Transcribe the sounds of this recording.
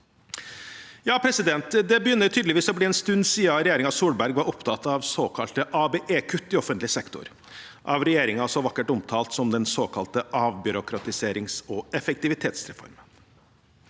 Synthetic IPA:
jɑːpʰɾɛsɪd̪ɛnt̪d̪ɛbəjʏnːət̪ʰyːd̪lɪʋiːsɔbliːɛnst̪ʉnːsiːɑɾɛjeːɾɪŋɑsuːɽbæɾɡʋɑɾɔpt̪ʰɑt̪ɑʋsoːkʰɑlt̪əʔɑːbeːʔeːkʰʉt̪ːɪɔfənt̪lɪsɛkt̪ʊ̰ɾ | ʔɑʋɾɛjeːɾɪŋɑsɔʋɑkːəʈʊmt̪ʰɑːlt̪sɔmd̪ɛnsoːkʰɑlt̪əɑːʋbʏɾʊkʰɾɑt̪ɪseːɾɪŋsɔɛfɛk̚t̪ɪʋɪt̪ʰeːt̪sɾɛfɔ̰ɾmən

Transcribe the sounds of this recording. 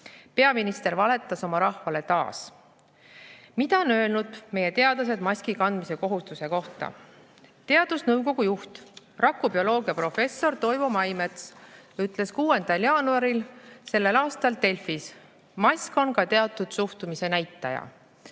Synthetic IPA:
pe̞ɑminist̪e̞ɾvɑle̞t̪ːˑɑso̞mɑɾɑhvɑle̞t̪ɑ̰ːs | mid̪̥ɑonølnud̪̥me̞je̞t̪e̞ɑd̪ɑs̬e̞d̪mɑsʲkikɑnd̪̥mise̞ko̞ɦust̪use̞ko̞ht̪ɑ̰ | t̪e̞ɑd̪̥usnɤwko̞ɡ̥ujuht̪ | rɑkːˑubio̞lo̞ːɡiɑpro̞fe̞sːo̞rt̪o̞jvo̞mɑjme̞t̪syt̪ːˑle̞skuːe̞nd̪̥ɑljɑːnuɑɾilse̞lːe̞lɑːst̪ɑlt̪e̞lfis | mɑsʲko̞nkɑt̪e̞ɑt̪ːˑud̪̥suht̪umise̞næjt̪ːˑɑjɑ̰

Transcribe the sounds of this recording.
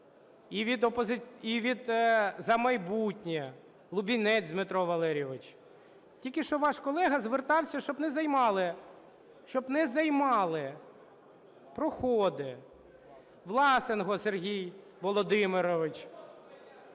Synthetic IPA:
iʋʲid̪ɔpɔzɪiʋʲid̪zɐmɐjbutʲnʲi | lˠʊbʲinɛt͡sʲd̪mɪt̪ɾɔʋɐlˠɛɾʲɔʋɪt͡ʃ | tʲilʲkɪʃt͡ʃɔʋɑʃkɔlˠɛɦɐzʋert̪ɑwsʲɐʃt͡ʃɔbnɛzɐjmɑlˠɪ | ʃt͡ʃɔbnɛzɐjmɑlˠɪ | pɾɔxɔd̪ɪ | ʋlˠɑsɪnɦɔserɦʲij | ʋɔlˠɔd̪ɪmɪɾɔʋɪt͡ʃ

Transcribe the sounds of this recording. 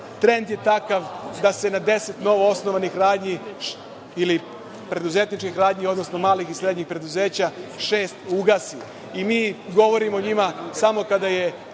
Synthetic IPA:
t̪ɾe̞nd̪je̞t̪akaʋd̪ase̞nad̪e̞se̞t̪no̞ʋoosnoʋanixɾaːd̪ɲi | ili | pɾe̞d̪uze̞t̪nit͡ʃkixɾaːd̪ɲio̞d̪no̞snomaːlixisɾe̞d̪ɲixpɾe̞d̪uze̞ːt͡ɕaʃe̞ːst̪uɡasi | imiːɡo̞ʋo̞ɾimoɲimasamo̞kad̪aje̞

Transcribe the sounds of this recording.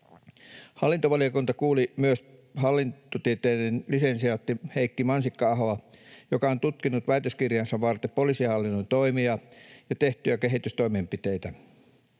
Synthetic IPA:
hɑlːint̪oʋɑliokuint̪ɑkuːlimyøshɑlːinot̪iet̪eːdenlisensiɑt̪ːiheikːimɑnsikːɑɑɦoɑjokɑont̪ut̪kinːut̪ʋæit̪øskirjɑnsɑʋʋɑrt̪epolisihɑlːinːont̪o̞imiɑjɑt̪e̞ht̪yæke̞ɦit̪yst̪o̞jmempit̪ejt̪æ

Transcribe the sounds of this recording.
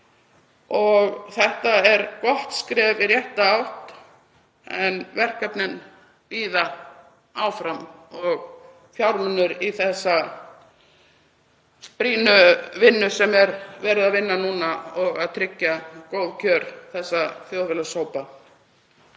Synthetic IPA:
ɔɣθɛht̪aɛɾkɔht̪skɾɛːvɪɾjɛht̪aawht̪ | ɛnvɛr̥kapnɪn | viːða | aːwfɾamɔɣ | fjawɾmʏnːʏɾiθɛsːa | pɾiːnʏvɪnːʏsɛmɛɾvɛːɾɪðaðvɪnːanuːnaɔɣaðt̪ʰɾɪcːakoːwðcʰœːɾθɛsːaθjowvɛlasoːwpa

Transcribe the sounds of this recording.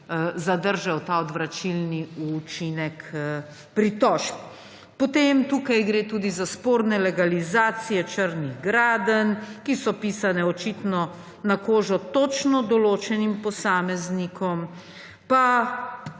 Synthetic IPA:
zad̪əɾʒawt̪aɔd̪ʋɾat͡ʃilniut͡ʃinɛk | pɾit̪ɔʃk | pɔt̪emt̪uːkajɡɾeːt̪uːd̪izaspoːɾnɛlɛɡalizaːt̪sijɛt͡ʃəɾniɣɡɾaːd̪ənkisɔpiːsanɛɔt͡ʃit̪nɔ | nakoːʒɔt̪ɔt͡ʃnɔd̪ɔloːt͡ʃɛnimpɔsaːmɛznikɔm | pa

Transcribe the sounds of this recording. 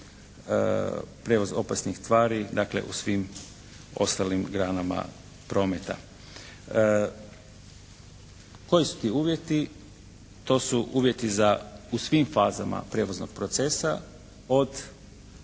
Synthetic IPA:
pɾeʋozo̞pasnixst̪ʋaːɾid̪aklḛʔṵsʋim | o̞st̪alimɡɾaːnama̰ | pɾo̞ːmet̪a̰ | ko̞jisu̥t̪iːuːʋje̞t̪i | t̪o̞ːsuʔuːʋje̞t̪izausʋimfaːzamʔa̰pɾeːʋoznoɡ̥̚pɾot̪sesa | o̞d̪

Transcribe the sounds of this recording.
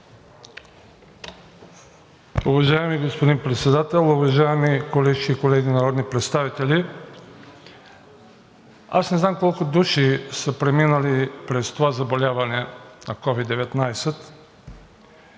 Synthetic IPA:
uvɐʒaɛmiɡospod̪inpɾɛt̪sɛd̪at̪ɛlˠʊvɐʒaɛmikolɛʒiːkolɛɡʲinɐɾɔd̪nipɾɛt̪st̪avit̪ɛli | asnɛznamkɔlˠkʊd̪uʃisəpɾɛminəlipɾɛst̪ovazɐbolʲavɐnɛnɐkɔvid̪ːɛvɛt̪najsɛt̪

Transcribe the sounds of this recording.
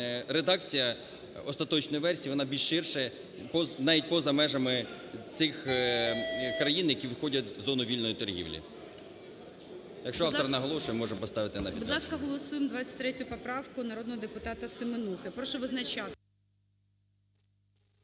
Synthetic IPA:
ɾed̪ɑk̚t͡sʲijɐ | ɔst̪ɐt̪ɔt͡ʃnɔjiʋɛrsʲiʋɔnɑbʲilʒʃɪrʃɛ | pɔnɑʋʲitʲpɔzɐmɛʒɐmɪ | t͡s̪ɪx | kɾɐjinjɐkʲiʋxɔdʲɐt̪ʲzɔnʊʋʲilʲnɔjit̪ɔrɦʲḭʋlʲḭ | jɐkʃt͡ʃɔɑfɔɾɐnɐɦɔlˠɔʃʊjɛmmɔʐɛmpɔst̪ɑʋɪt̪ɪnɐpʲidbʊd̪lˠɑskɐɦɔlˠɔsujemd̪ʋat͡sʲːɐ̥tʲt̪ɾɛtʲʊpɔpɾɑwkʊnɐɾɔd̪nɔɦɔd̪epʊt̪ɑt̪ɐsɪmenuxɪpɾɔʃɔʋɪznɐt͡ʃat̪

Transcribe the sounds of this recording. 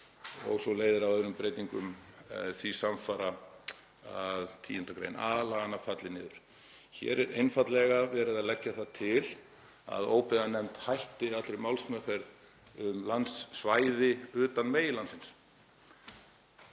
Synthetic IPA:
ɔ̰ɣsɔleːjðɪɾawœnʏmpɾejt̪iŋkʏmθvisamfaɾa | aðt̪ʰḭːɪnt̪akɾḛjna̰ːlaːɣanafat̪lɪnɪːðʏɾ̥ | çɛ̰ɾɛɾejnfat̪lɛɣavɛːɾɪðaðlɛcːaθat̪ʰɪl | a̰ðoːwpɛðanɛmt̪hajht̪ɪat̪lɾɪmawlsmœkɛɾ | ʏmlansːvaːjðɪʏːt̪anmeːjɪlansɪns

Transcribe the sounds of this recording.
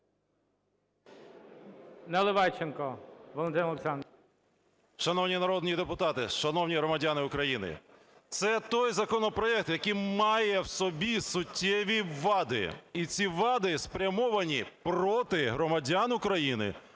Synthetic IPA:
nɛlˠɪʋɑt͡ʃenkɔʋɔlˠɔnt̪ɪnlˠeksɑn | ʃɐnɔwnʲinɐɾɔd̪nʲid̪epʊt̪ɑt̪ɪʃɐnɔwnʲiɦɾɔmɐdʲanɪʊkɾɐjinɪ̰ | t̪sɛt̪ɔjzɐkɔnɔpɾɔɛk̚t̪jɐkijmɑjɛwsɔbʲisʊtʲʰːɛʋʲiʋʋːɑd̪ɪ̰it͡sʲiʋɑd̪ɪspɾʲɐmɔʋɐnʲipɾɔt̪ɪɦɾɔmɐdʲanʊkɾɐjinɪ̰

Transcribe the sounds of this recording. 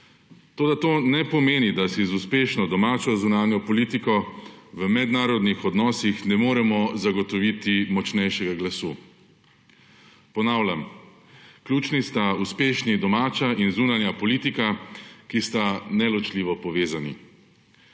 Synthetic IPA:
t̪oːd̪at̪oːnɛpɔmeːnid̪asizuspeːʃnɔd̪ɔmaːt͡ʃɔzunaːnjɔpɔliːt̪ikɔʋəmɛd̪naːɾɔd̪nixɔd̪nɔːsixnɛmoːɾɛmɔzaɡɔt̪ɔʋit̪imɔt͡ʃnɛjʃɛɡaɡlasuː | pɔnaːwlʲjam | klʲuːt͡ʃnist̪auspeːʃnid̪ɔmaːt͡ʃainzuːnanjapɔliːt̪ikakist̪anɛlɔt͡ʃliːʋɔpɔʋeːzanḭ

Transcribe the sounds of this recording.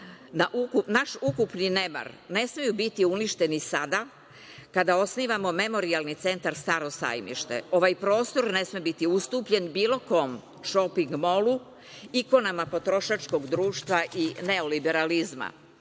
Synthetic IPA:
naʔukupnaʃukupnine̞ma̰ɾne̞smijubit̪iuniʃt̪e̞nisad̪a | kad̪ao̞sniːʋamo̞me̞mo̞ɾialˠnit̪se̞nt̪aɾst̪aɾo̞sa̰jmḭʃt̪e̞̰o̞ʋajpɾo̞ːst̪o̞ɾne̞smibit̪iust̪uːpʎe̞nbiːlo̞ko̞m | ʃo̞piŋɡmo̞lu | iko̞namapo̞t̪ɾo̞ʃat͡ʃko̞ɡd̪ɾuːʃt̪ʋaʔine̞o̞libe̞ɾalizma̰

